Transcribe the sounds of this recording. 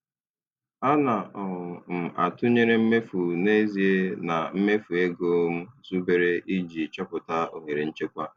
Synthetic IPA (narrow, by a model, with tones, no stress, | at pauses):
a˦na˨ɔ˨ʊ˨m̩˨a̰˨tʊ˦ɲe˦ɾe˦m̩˦me˦fu˨ne˦zi˨e˦na˨m̩˦me˦fu˨e˦ɡo˦m̩˦zu˦be˨ɾe˦ʔi˦d͡ʒi˨t͡ʃɔ˦pʊ˨ta˦o˨ŋe˨ɾe˨n̩˦t͡ʃe˦kʷa˦